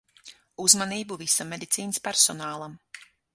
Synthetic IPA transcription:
uzmaniːbuvisamʲed̪it̪siːnɨspʲæɾsɔnaːlˠam

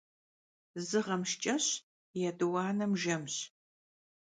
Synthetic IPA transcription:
zɨʁɐmʃt͡ʃʼɐɕ | jɛdɨwɑːnɐmʒɐmɕ

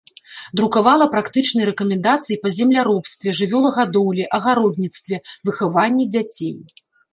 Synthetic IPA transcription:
d̪ɾukavalˠɐpɾakt̪ɨt͡ʂnɨjɾɛkɐmʲɛnd̪at̪sɨjipɐzʲɛmlʲaɾɔpst̪vʲɛʐɨvʲɔlˠɐɣad̪ɔwlʲiʔɐɣaɾɔd̪nʲit̪st̪vʲɛvɨxavanʲːid͡zʲat͡sʲej

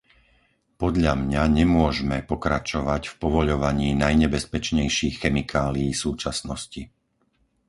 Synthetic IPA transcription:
pɔd̪ʎamɲaɲɛmʊɔʒmɛpɔkɾat͡ʃɔʋacfpɔʋɔʎɔʋaɲiːnajɲɛbɛspɛt͡ʃɲɛjʃiːxxɛmikʰaːlijisuːt͡ʃasnɔsci

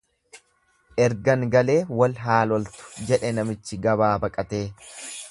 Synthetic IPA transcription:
ʔɛɾɡɐŋɡɐle̞ːwɐlɦaːlɔlt̪ʊ̥d͡ʒɛᶑɛnɐmɪt͡ʃːɪɡɐβaːbɐkʼɐt̪e̞ː

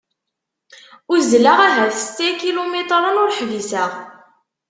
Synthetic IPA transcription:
ʊɾzlaʁæɦæθst̪ækilomet̪ˤɾˤənʊɾħvisæʁ

